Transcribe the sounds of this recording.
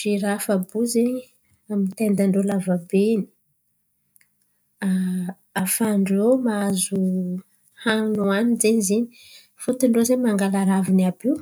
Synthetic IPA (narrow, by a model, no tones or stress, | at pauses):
fiɾafabuzeɲi | amit̪end̪aɳɖ͡ʐolavabeni̥ | aː | faɳɖ͡ʐemaazu | haŋnuanizenizeni̥ | fut̪iɳɖ͡ʐozeɲmaŋɡalaɾavinabiw